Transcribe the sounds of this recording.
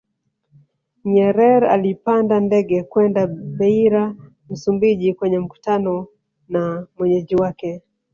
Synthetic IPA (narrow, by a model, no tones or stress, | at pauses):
ɲɛɾɛɾa̰lipandandɛɠɛkwɛndaɓɛiɾa | m̩sumbiʄikwɛɲɛm̩ku̥tanɔ | namwɛɲɛʄiwakɛ